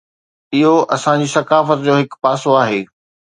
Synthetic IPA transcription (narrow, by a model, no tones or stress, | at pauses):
ɪɦoʔɐsãd͡ʑiːsɐkaːfət̪d͡ʑoːɦɪkpaːsoaːɦeː